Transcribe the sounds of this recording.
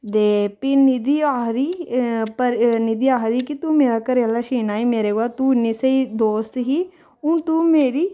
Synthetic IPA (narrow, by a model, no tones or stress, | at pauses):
d̪eːpɪnɪd̪iːaːɦd̪iːpəɾnɪd̪iːaːɦd̪iːkɪt̪uːmeːɾaːkəɾjalaːʃiːnaːiːmeːɾeːɡaːt̪uːɪnːiːseiːd̪oːst̪ɦiː | ʊ̃t̪uːmeːɾiː